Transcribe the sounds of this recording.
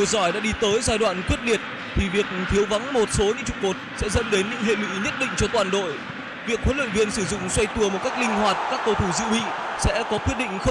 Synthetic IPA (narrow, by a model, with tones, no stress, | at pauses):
i˧˩əwzɔ˧˩jɗa̰ː˧˥ɗi˧t̪əː˨˦jzaː˧jɗwa̰ː˧˨nkwi˦˥ət̚li˨˩ət̚ | t̪ʰi˨˩vi˨˩ək̚t̪ʰi˨˦əwva˨˦ŋmo˨˩t̚so˨˦ɲɨ̰˧˥ŋt͡ɕʊ˨˩k͡p̚mo˨˩t̚sɛ̰˧˥zə̰˧˥mɗe˨˦nɲɨ̰˧˥ŋhḛ˧˨wḭ˧˥ɲə˦˥t̚ɗḭ̈˧˨ŋt͡ɕɔ˧t̪waː˨˩nɗo̰˧˨j | vi˨˩ək̚hwnlə̰ː˧˨nvi˧ənsɨ˧˩zʊ̰˧˨ŋ͡mswa˧jt̪u˧˩əmo˨˩t̚ka˦˥jk̚lï˧ŋ̟hwaː˨˩t̚kaː˦˥k̚kə˧wt̪ʰu˧˩zɨ̰˧˨wḭ˧˨sɛ̰˧˥kɔ˨˦kwi˦˥ət̚ɗï˧˨ŋ̟xə˧